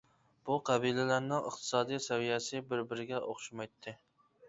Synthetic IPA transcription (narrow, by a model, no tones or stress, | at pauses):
b̥uqʰæbilɪlæɾnɪŋə̰χt̪ʰɨ̥sɑːd̪ijsɛvijɛsɪbɪɾbɪɾɪɡʲɛʔoχʃimɑjt̪ʰːɪ